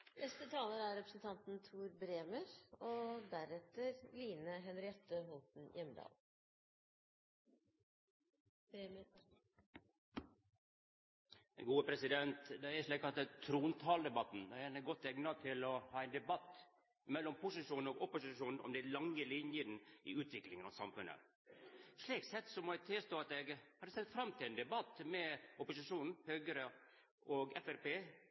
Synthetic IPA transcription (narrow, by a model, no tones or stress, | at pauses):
nɛst̪ət̪ʰɑːləɾæɾɾɛpɾəsn̩t̪ʰɑnt̪n̩t̪ʰuːɾbɾeːməɾɔd̪æɾɛt̪ːəɾliːnəɦɛnɾɪɛt̪ːəɦɔlt̪n̩jɛmːəd̪ɑ̰ːl | ɛɡuːəpʰɾɛsɪd̪ɛnt̪d̪ɛæɾʂɭiːk̚ɑt̪t̪ʰɾuːnt̪ʰɑːld̪ɛbɑt̪n̩d̪ɛæænɡɔt̪ːɛɡnɑt̪ʰɪlɔhɑːɛɪnd̪ɛbɑt̪ː | mɛlːɔmpʰʊsɪʂuːnn̩ɔɡɔpʊsɪʂuːnn̩ɔ̰md̪ɪlɑŋːəlɪnjənʔɪ̰ʉːt̪ʋɪklɪŋənɑʋsɑmfʉnə̰ | ʂɭiːksɛt̪ːsɔmɔɛt̪ʰɪlst̪oːɑt̪ɛɡhɑd̪ːəsɛlt̪fɾɑmːt̪ʰɪlɛnd̪ɛbɑt̪ːmɛʊpʊsɪʂuːnn̩høːɡəɾə | ʔɔɡɛfæɾpeː